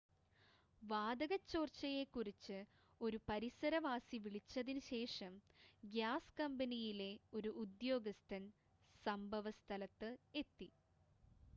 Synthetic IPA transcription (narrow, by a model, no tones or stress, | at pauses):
ʋaːd̪ɐɣɐt͡ɕːo̞ːrt͡ɕːɐje̞kːurit͡ɕːɨ | o̞ɾupɐɾisɐɾɐʋaːsiʋiɭit͡ɕːɐðinɨɕe̞ːʂɐmɡjaːskɐmbɐnijile̞o̞ɾuʔud̪jo̞ːɡɐst̪ʰɐn | sɐmbʱɐʋɐst̪ʰɐlɐt̪ːɨe̞t̪ːi